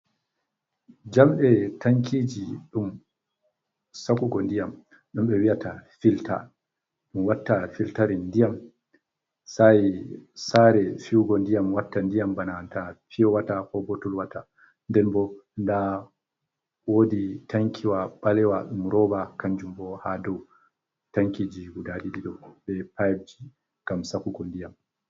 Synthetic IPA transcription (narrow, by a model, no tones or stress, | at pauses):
d͡ʒamɓɛtaŋkʰiːd͡ʒiɗum | sakuɡɔndijam | ɗumɓɛwijatafilta̰ | ɗumwatːafiltaɾindijam | sajisaɾɛfiɡɔndijamwatːandijambanantafiɔwatakɔbɔtɔlwatʰa | ndɛnbɔnda | woditʰaŋkʰiwaɓalɛwaɗumɾɔbakaɲd͡ʒumbɔhadɔw | taŋkid͡ʒiɡudaɗiɗiɗɔɓɛpajb̚d͡ʒi | ɡ̥amsakuɡɔndijam